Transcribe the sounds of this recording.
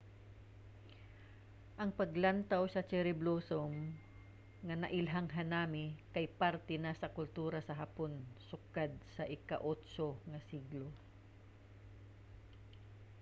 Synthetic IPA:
ʔɐŋpɐɡlant̪awsɐt͡ʃɛɾɪblosom | ŋanɐʔɪlɦaŋɦanaːmɪkajpaɾt̪ɛnasɐkʊlt̪uːɾasɐɦaponsʊkad̪̚sɐʔɪka̰ʔot̪soŋɐsiɡlo

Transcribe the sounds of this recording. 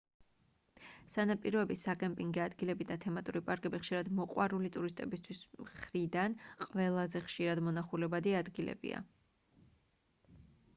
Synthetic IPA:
sanapʼiɾɔɛbisakʼɛmpʼiŋɡɛad̪ɡilɛbid̪at̪ʰɛmat̪ʼuɾipʼaɾkʼɛbiχʃiɾad̪mɔqʼwaɾulit̪ʼuɾist̪ʼɛbist̪ʰwismχɾid̪anqʼvɛlˠazɛχʃiɾad̪mɔnaχulɛbad̪iad̪ɡilɛ̰bḭa̰

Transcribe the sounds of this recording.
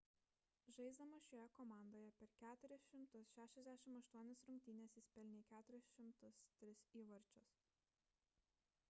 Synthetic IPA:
ʒɐɪzd̪ɐmɐʃʲojɛkɔːmɑˑnd̪oːjɛpʲɛɾkʲæːt̪ʊɾʲɪsʃʲɪmt̪ʊsʃʲæːʃʲɛzd̪ʲæʃʲɪmɐʃt̪uɔnʲɪsɾʊŋʲk̚ʲt̪ʲiːnʲɛsɪsʲpʲɛlʲnʲɛkʲæːt̪ʊɾʲɪsʃʲɪmt̪ʊst̪ʲɾʲɪsiːʋɐɾʲt͡ʃʲʊs

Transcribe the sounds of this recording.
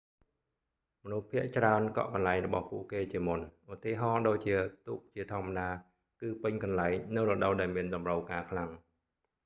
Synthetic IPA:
mɔnuhpʰiəʔt͡ɕraənkɑ̰ʔkɑnlaɛŋrɔɓɑ̰hpuəʔkeːt͡ɕiəmunʔut̪iːɦɑːɗoːc̚t͡ɕiət̪uːk̚t͡ɕiət̪ʰŏəmːaɗaː | kɨːpɨɲkɑnlaɛŋnɨwrɔɗəwɗaɛlmiənɗɑmrəwkaːkʰlaŋ

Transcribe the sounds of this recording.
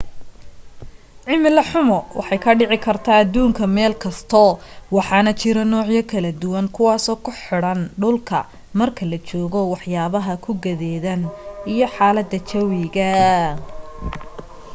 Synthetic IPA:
ʕɪmɪlɐħʊmɔwʔɑ̰ħɑjkʰɐɖɪʕɪkʰɐrt̪ʰaːd̪uːŋkʰɐmɛːlkʰɐst̪ʰɔwɑħɑːnɐt͡ʃɪɾɐnɔːʕjɐkʰɐlɐd̪ʊwɐŋkʰʊwɑːsɔːkʰʊħɪɽɐnɖʊlkʰɐ̰ | mɐrkʰɐlɐt͡ʃɔːɣɔwɑħjaːβɐɦɐkʰʊɡɐðɛːðɐnijɔħɑːlɐd̪ːɐt͡ʃɐwɪɣɐ

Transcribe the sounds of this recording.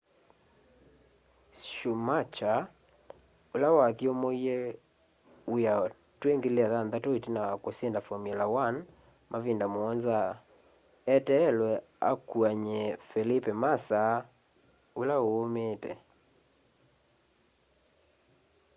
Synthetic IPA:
ʃumat͡ʃa | olawakiomoiɛ | uja | tweŋɡeleaðanðatoetinawakosendafɔmjɛlawan | mʔavindamoɔnza | ɛtɛːlwɛ | a̰kwaɲɛfelipɛmasa | olaoomeːtɛ̰

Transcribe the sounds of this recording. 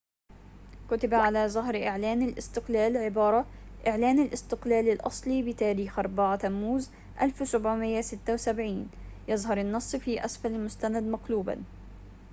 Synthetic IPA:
kʊt̪abaʕalaːzˤʊɦɾʔɪʕlaːnalʔɪ̰st̪ɪqlaːlʕɪbɑːɾˤɑʔɪʕlaːnalʔɪst̪ɪqlaːlɪlʔɑ̰sˤliːbɪt̪aːɾiːxʔɑɾˤbaʕat̪amːuːz | ʔa̰lfsʊbʕmɪjːasɪt̪ːawsabʕiːnjɑzˤɦɑɾˤɪnːɑsˤːfiːʔasfalɪlmʊst̪anad̪maqluːba̰n

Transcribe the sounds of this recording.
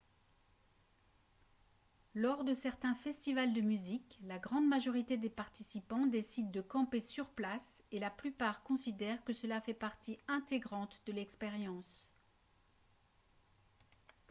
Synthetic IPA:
lɔʁd̪əsɛʁt̪ɛ̃fɛst̪ivald̪əmyziklaɡʁɑ̃d̪maʒɔʁit̪ed̪epaʁt̪isipɑ̃d̪esid̪ːəkɑ̃pesyʁplaselaplypaʁkɔ̃sid̪ɛʁkəsəlafɛpaʁt̪iɛ̃t̪eɡʁɑ̃t̪d̪əlɛkspeʁjɑ̃s

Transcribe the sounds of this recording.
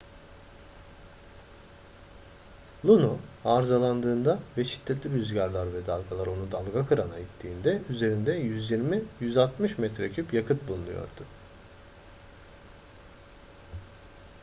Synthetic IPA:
lˠunuaɾzalˠand̪ɯːnd̪avɛʃi̥d̪̥ʰːɛt̪lʲiɾyzɟaɾlˠaɾvɛd̪alˠɡalˠaɾo̞nud̪alˠɡakʰɯɾanait̪ʰːiːnd̪ɛyze̞ɾind̪ɛjyzjiɾmijyzalˠt̪mɯʃmɛt̪ɾecʰypjakʰɯt̪̚bulˠunujo̰ɾd̪̥ʊ

